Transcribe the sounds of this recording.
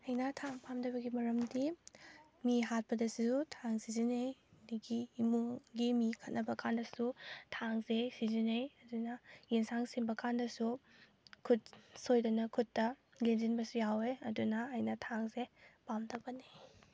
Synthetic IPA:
ɐjnɐtʰaŋpʰamdɐbɐɡimɐɾɐmdi | miɦat̚pɐdɐsutʰaŋsizinejdiɡiːmuɡimikʰɐt̚nɐbɐkʰandɐsutʰaŋzesizinejɐdunɐjinsaŋsinbɐkʰandɐsu | kʰut̚sojdɐnɐkʰutːɐ | lenzinbɐsujaweɐdunɐːjnɐtʰaŋzepamdɐbɐne

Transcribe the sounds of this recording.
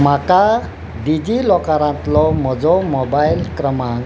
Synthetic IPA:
maka | ɖid͡zilɔkaɾãnt̪lɔmɔd͡zɔmɔbajlkɾʌmaŋ

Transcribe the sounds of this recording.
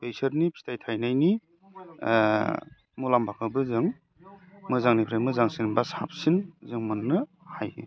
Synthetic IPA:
pejsɐɾnipʰi̥tajtʰajnajni | mulambakʰabɯzɯŋ | mɯzaŋnipʰɾajmɯzaŋsinbasa̰p̚sinzɯŋmɯnːɯ | hajhḭ

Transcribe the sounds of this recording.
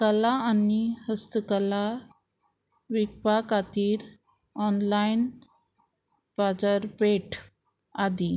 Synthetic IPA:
kəlaanihəst̪əkəla | ʋik̚pakat̪iːɾ | ɔnlain | pad͡zəɾpeʈʰ | ad̪i

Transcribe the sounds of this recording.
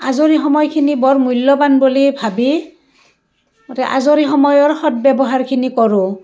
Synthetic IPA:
azoɹixɔmɔjkʰinibɔɹmulːɔbanbolibʱabi | tɛʔa̰zoɹixɔmɔjɔɹxɔt̚bɛbɔɦaɹkʰinikɔɹʊ̃

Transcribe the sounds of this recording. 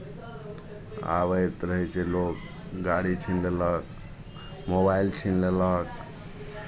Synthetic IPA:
a̰βəjt̪ɾəɦɛt͡ʃʰɛlok | ɡaɽit͡ʃʰinlelək̚ | mobailt͡ʃʰinlelək̚

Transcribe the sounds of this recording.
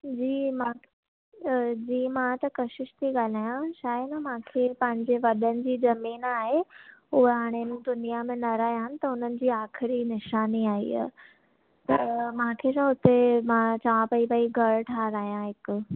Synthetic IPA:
d͡ʑiːmãː | d͡ʑiːmãt̪ɐkɐʃɪʃt̪ʰiɡaːl̤aːjãʃaːjənəmãːkʰepɐ̃ɦɪ̃ɲd͡ʑeʋɐɗənɪ̆d͡ʑiːd͡ʑɐmiːnaːɦeʊɦeɦaːɽ̃emũːd̪ʊnijamẽnɐɾaːijãnɪ̆t̪ɐɦʊnənɪ̆d͡ʑiːaːxʰɪɾinɪʃaːniaːḭː | t̪ɐmãːkʰesãɦʊt̪emãt͡ɕɐʋãpɐipəiɡʱɐɽʈʰaːɾaːijãɦɪkʊ

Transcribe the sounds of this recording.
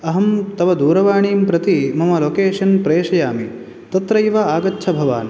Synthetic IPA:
ɐɦɐmt̪ɐʋɐd̪uːɾɐʋaːɳiːmpɾɐt̪imɐmɐloːkeːʃɐnpɾeːʂɐjaːmi | t̪ɐt̪ɾɐjʋɐaːɡɐtːʃʰɐbʱɐʋa̰ːn

